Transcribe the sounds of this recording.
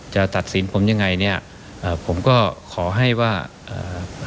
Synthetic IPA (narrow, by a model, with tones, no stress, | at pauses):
t͡ɕa˨˩t̪a˨˩t̪̚si˩˦npʰo˩˦mja˧ŋːa˧jni˥˩ɐ | ʔɤː˧˩pʰo˩˦mkɔː˥˩kʰɔː˩˦ɦa˥˩jwaː˥˩ | ʔɤ̰ː˨˧˩